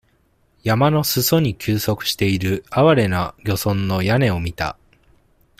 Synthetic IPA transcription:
jamano̞sɨso̞ɲ̟ikʲɨːso̞kɯ̟̥ɕi̥t̪e̞iɾɯ̟aβaɾe̞naɡʲo̞sõ̞nːo̞jane̞o̞mʲit̪a̰

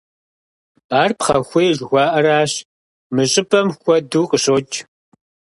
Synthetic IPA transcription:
aːrpχɐ̰xʷejʒɣʷɑːʔɐɾaːɕ | mɨɕʼɪpʰʼɐmxʷɔduːqʼəɕoːt͡ʃʰʼ

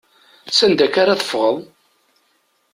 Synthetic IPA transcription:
sænd̪ækaɾaθə̥fʁəðˤ

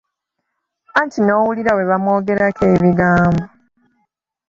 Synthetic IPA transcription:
antʰino̞ːwuliɾawe̞βamo̞ːɡe̞ɾakeːβiɡaːmbo

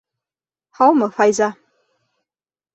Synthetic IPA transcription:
ħawmɐfajza

